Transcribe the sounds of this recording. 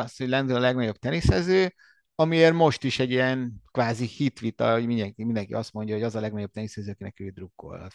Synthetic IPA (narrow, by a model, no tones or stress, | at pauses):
ɒsho̞ɟʲlɛnd̪ølɒlɛɡnɒɟo̞b̚t̪ɛnisɛzøː | ɒmieːrmo̞ʃt̪iʃɛɟːijɛnkʋaːzihit̪ʋit̪ɒ̰ɦoɟmind̪ɛŋkimind̪ɛŋkḭɒst̪mo̞ɲɟɒɦo̞ɟɒzɒlɛɡnɒɟo̞b̚t̪ɛnisɛzøːɒkinɛkøːd̪rukːo̰l̰t̪